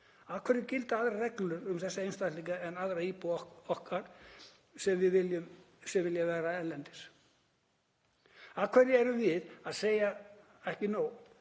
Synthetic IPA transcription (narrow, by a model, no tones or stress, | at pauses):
aðkʰvɛɾɪcɪlt̪aaðɾarɛklʏɾʏmθɛsːaejnst̪at̪liŋkaɛnaðɾaiːpuɔhkaɾ̥ | sɛmvɪðvɪljʏm | sɛmvɪljavɛːɾaɛlɛnt̪ɪɾ̥ | aðkʰvɛɾɪɛɾʏmvɪðaðseːja | ɛhcɪnoːw